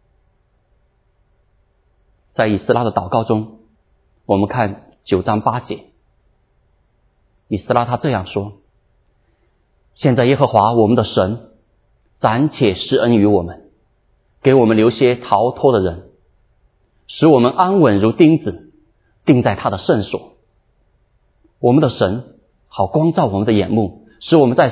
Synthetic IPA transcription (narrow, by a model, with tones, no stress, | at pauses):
t͡sa˥˩ɪi˨˩sɹ̩˥˧la˥d̪ə˨t̪ɑ˨˩ʊkɑ˥˩ʊʈ͡ʂʊ˥ŋ | wɔ˨˩mə˦nkʰa˥˩n | t͡ɕjo˨˩ʊʈ͡ʂɑ˥ŋpa˥t͡ɕjɛ˧˥ | i˨˩sɹ̩˥˧la˥t̪ʰa˥ʈ͡ʂɤ˥˧jɑ˥˩ŋʂwɔ˥ | ɕjɛ˥˧nt͡sa˥˩ɪjɛ˥xɤ˧˥xwa˧˥wɔ˨˩mə˦nd̪ə˧ʂə˧˥n | t͡sa˧˥nt͡ɕʰjɛ˨˩ʂɻ̩˥ə˥ny˧˥wɔ˨˩mə˦n | ke˧˥ɪwɔ˨˩mə˦nljo˧˥ʊɕjɛ˥t̪ʰɑ˧˥ʊt̪ʰɔ˥d̪ə˨ɻə˧˥n | ʂɻ̩˧˥wɔ˨˩mə˦nʔa˥nwə˨˩nɻu˧˥t̪i˥ŋt͡sɹ̩˨˩ | t̪i˥˧ŋt͡sa˥˩ɪt̪ʰa˥d̪ə˨ʂə˥˩nswɔ̰˨˩˦ | wɔ˨˩mə˦nd̪ə˧ʂə˧˥n | xɑ˨˩ʊkwɑ˥ŋt͡sɑ˥˩ʊwɔ˨˩mə˦nd̪ə˧jɛ˨˩nmu˥˩ | ʂɻ̩˧˥wɔ˨˩mə˦nt͡sa˥˩ɪ